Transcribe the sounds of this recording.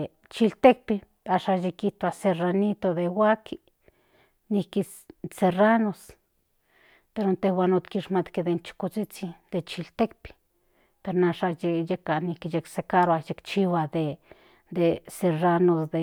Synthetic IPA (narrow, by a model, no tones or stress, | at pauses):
t͡ʃilt̪ek̚pi | aʃajekit̪oaseranit̪od̪ewaki | niki | seranos | peɾont̪ehwanot̪kiʃmat̪ked̪ent͡ʃi̥kot͡sit͡sid̪et͡ʃilt̪ekpi̥ | peɾonaʃajejekaʔnikijeksekaɾoajekt͡ʃiwad̪e | d̪eseranosd̪e